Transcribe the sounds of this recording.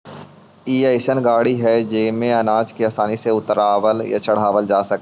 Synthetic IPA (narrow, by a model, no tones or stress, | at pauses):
iːaːɪsənɡaːɽiɦɛd͡ʒeːmẽɐnaːd͡ʒkiaːsaːniseʊt̪əɾaːʋəlja̰t͡ʃəɽ̤aːʋəld͡ʒaːsɐkː